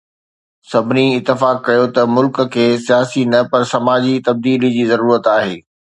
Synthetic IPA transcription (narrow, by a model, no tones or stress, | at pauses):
sɐbʱɪniɪt̪ːɪfaːkːɐjot̪ɐmʊlkkʰːeːsijaːsinɐpɐɾsɐmaːd͡ʑit̪ɐb̚d̪iːlid͡ʑiːzɐɾuːɾət̪aːɦeː